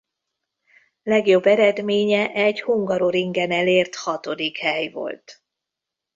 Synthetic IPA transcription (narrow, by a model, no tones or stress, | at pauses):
lɛɡjo̞bːɛɾɛd̪meːɲɛʔɛɟhuŋɡɒɾoɾiŋɡɛnɛleːrt̪hɒt̪o̞d̪ikhɛjvo̰lt̪